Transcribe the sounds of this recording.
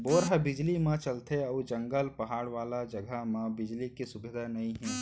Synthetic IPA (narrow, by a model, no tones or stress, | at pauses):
boːɾɦəbɪd͡ʒlimãt͡ʃəlt̪eɐːd͡ʒə̃ŋɡəlpɐɦaːɽʋaːlad͡ʒəɡʱəmãbɪd͡ʒlikisʊbɪd̪ʱanɐĩɦɛ̃ː